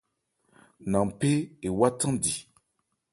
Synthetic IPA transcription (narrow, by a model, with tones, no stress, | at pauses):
nã˨pe˦e˨wa˦tã˦di˨